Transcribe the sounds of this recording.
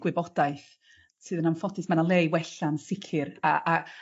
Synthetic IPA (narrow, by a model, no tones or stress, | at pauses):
ɡ̥wɪbɔdaɨθ | sɨːðənamfɔtʰɨsmanalˠejwɛɬansɪkʰɪɾa̰ʔa